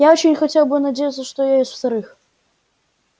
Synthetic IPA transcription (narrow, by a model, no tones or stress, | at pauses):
jaot͡ɕɪnʲxɐtʲelˠbɨnɐdʲejət̪səʂt̪ojajesʲt̪ft̪ɐɾɨx